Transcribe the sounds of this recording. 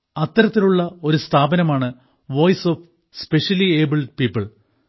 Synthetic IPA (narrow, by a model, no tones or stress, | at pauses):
ɐt̪ːɐɾɐt̪ːiluɭːɐo̞ɾust̪ʰaːbɐnɐmaːɳɨ | ʋo̞ːjsof | speʂɐlieːbilpiːpːɐɭ